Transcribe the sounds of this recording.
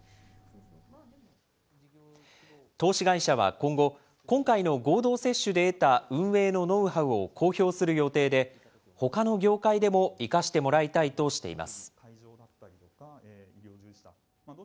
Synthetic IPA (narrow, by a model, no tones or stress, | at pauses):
t̪o̞ːɕiɡaiɕaβ̞a̰kõ̞ŋɡo̞ | kõ̞ŋkaino̞ɡo̞ːd̪o̞ːse̞ɕːɨd̪e̞ːt̪aɯ̟̃ɰ̃e̞ːno̞no̞ɯ̟haɯ̟o̞kʰo̞ːço̞ːsɨɾɯ̟jo̞t̪e̞ːd̪e̞ | ho̞kano̞ɡʲo̞ːkaid̪e̞mo̞ikaɕi̥t̪e̞mo̞ɾait̪ait̪o̞ɕi̥t̪e̞̰ḭma̰sɨ̥